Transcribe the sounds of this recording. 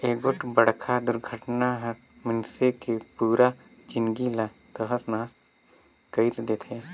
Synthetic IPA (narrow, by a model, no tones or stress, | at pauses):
eːɡʊʈbəɽkʰad̪ʊɾɡʱəʈnaɦɐ | mənsekepuːɾa | d͡ʒɪnɡila | t̪əɦəsnaːs | kəit̪d̪et̪ʰɦeː